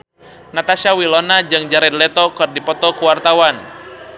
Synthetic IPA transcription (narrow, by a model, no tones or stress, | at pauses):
nat̪aʃawilɔnad͡ʒɨŋd͡ʒaɾɛd̪̚lɛt̪ɔkɨrdipɔt̪ɔkuwart̪awan